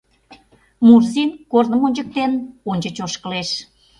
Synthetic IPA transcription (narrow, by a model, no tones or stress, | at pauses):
murzinkornəmonʲt͡ɕək̚t̪enonʲt͡ɕət͡ɕoʃkəleʃ